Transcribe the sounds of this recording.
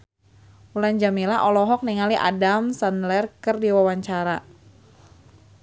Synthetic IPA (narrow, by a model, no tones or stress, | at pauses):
uland͡ʒamilaʔɔlɔɦɔk̚niŋaliʔa̰damsanlɛrkərdiwawaɲt͡ʃaɾa